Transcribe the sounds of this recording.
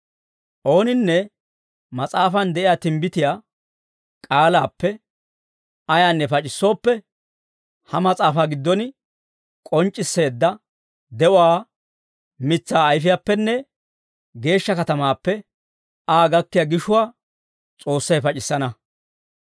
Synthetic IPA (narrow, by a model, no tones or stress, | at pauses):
ʔo̞ːnɪnːɛ | mɐt͡sʼaːfɐnd̪ɛʔɪjaːt̪ɪmbɪt̪ɪjaː | kʼaːlaːpːɛ | ɐjaːnːɛpɐt͡ʃʼɪsːo̞ːpːɛ | hɐmɐt͡sʼaːfaːɡɪd̪ːɔn | kʼɔnt͡ʃʼːɪsːe̞ːd̪ːɐ | d̪ɛʔʊaː | mɪt͡sːaːjfɪjapːɛnːɛ | ɡe̞ːʃːɐkɐt̪ɐmaːpːɛ | aːɡɐkːɪjaɡɪʃʊwaː | t͡sʼo̞ːsːɐjpɐt͡ʃʼɪsːɐnɐ